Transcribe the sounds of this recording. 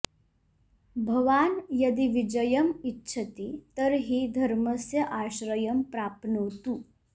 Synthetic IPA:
bʱɐʋaːnjɐd̪iʋid͡ʒəjəmitːɕʰɐt̪it̪əɾɦiːd̪ʱɐɾməsjəʔaɕɾəjəmpɾaːpnowt̪uː

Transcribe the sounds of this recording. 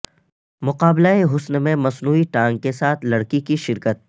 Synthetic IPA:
mʊqaːblaeɦʊsnmẽmɐsnuːiʈãːŋɡ̚kesaːt̪ʰlɐɽkikiʃɪɾkət̪̚

